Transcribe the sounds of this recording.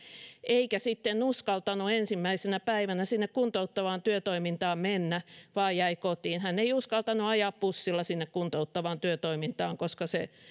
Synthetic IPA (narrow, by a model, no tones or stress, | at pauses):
eikæsit̪ːenuskɑlt̪ɑnuensimːæisenæpæiʋænæsinːekkunt̪out̪ːɑʋɑːnt̪yøt̪oimint̪ɑːmmenːæʋɑːjjæikot̪iːnhænːeiuskɑlt̪ɑnuɑjɑːppusːilːɑsinːekkunt̪out̪ːɑʋɑːnt̪yøt̪oimint̪ɑːŋkoskɑse